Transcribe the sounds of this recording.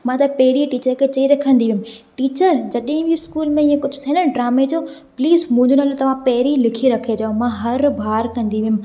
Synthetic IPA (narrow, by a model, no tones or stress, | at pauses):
mãːt̪ɐpɐɦɪɾiʈiːt͡ɕəɾkʰeːt͡ɕɐiɾɐkʰə̃nd̪iʋɪjʊmʈiːt͡ɕəɾd͡ʑɐɗɦɪ̃biskuːlmẽɪẽkʊd͡ʑʱʊt̪ʰɐnəɖɾaːmed͡ʑoː | pliːzmʊ̃ɦɪ̃ɲd͡ʑonɐlot̪ɐʋ̤ãpɐɦɪɾilɪkʰiɾɐkʰed͡ʑɐõmãːɦɐɾbʱaːɾkɐ̃nd̪iʋiʊ̃m